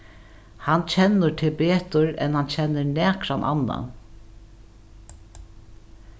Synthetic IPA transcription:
hant͡ɕʰɛnːəɾt̪ʰɪlpeːt̪ʊɾɛ̰nhant͡ɕʰɛnːəɹnɛːkɾanʔa̰nːa̰

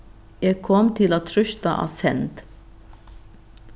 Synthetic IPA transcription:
jæɪkʰɔmt̪ʰɪloːt̪ʰɾʏʃt̪əʔɑ̰sɛnt̪

